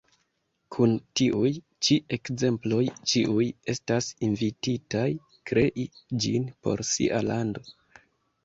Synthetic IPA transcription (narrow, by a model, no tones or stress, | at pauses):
kʰuntiʔuj | t͡ʃie̞kze̞mplo̞jt͡ʃiʔuje̞stasinvititaj | kɾe̞ʔid͡ʒḭnpo̞̰ɾsḭʔalando̞